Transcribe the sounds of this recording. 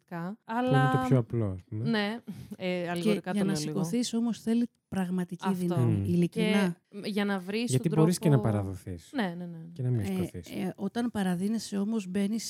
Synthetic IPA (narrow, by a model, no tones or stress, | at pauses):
t̪ikɐɐlɐnt̪opçoɐplo̞ɐspumene | ɐllioɾikɐʝɐnɐsiko̞θiso̞mo̞sθe̞li | pɾɐɣmɐt̪icifðinɐmiilicinɐʝɐnɐvɾisʝɐt̪iɾbo̞ɾiskenɐpɐɾɐðoθisnenenecenɐmiskoθiso̞t̪ɐnpɐɾɐðine̞se̞o̞mozbe̞nis